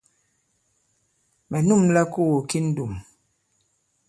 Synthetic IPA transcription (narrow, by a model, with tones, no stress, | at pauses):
mɛ˨nu˦˨mlɛ˦ku˦˨o˨ki˦n̩˦du˨m